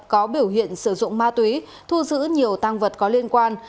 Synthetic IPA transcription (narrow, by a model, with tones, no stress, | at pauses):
kɔ˨˦ɓi˧˩əwɦḭ˧˨ənsɨ˧˩zʊ̰˧˨ŋ͡mmaː˧t̪wi˨˦ | t̪ʰu˧zɨ̰˧˥ɲi˨˩əwt̪aː˧ŋvə˨˩t̚kɔ˨˦li˧ənkwaː˧n